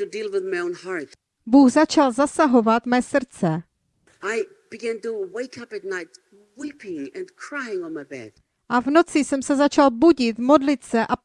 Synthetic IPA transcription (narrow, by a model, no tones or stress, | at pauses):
tudilˠwɪðmaɪõʊ̃nhaɹt | buːɣzat͡ʃalzasaɦo̞vat̪mɛːsr̩t͡sɛ | aɪ | b̥ɨɡæ̃ntuweɪkʰʌpɨt̚ⁿnaɪt̚ | wipɪ̃ŋɛ̃nkʰɹ̥aɪ̃ŋɔ̃nmaɪbɛ̰d̥ | ʔavno̞t͡sɪsɛmsɛzat͡ʃalbuɟɪt̪mo̞dlɪt̪sɛʔa